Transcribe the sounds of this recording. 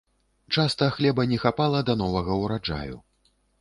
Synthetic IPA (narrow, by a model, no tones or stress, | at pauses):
t͡ʂast̪ɐxlʲɛbɐnʲɛxapalˠɐd̪an̪ɔvɐɣɐwɾad͡ʐa̰jṵ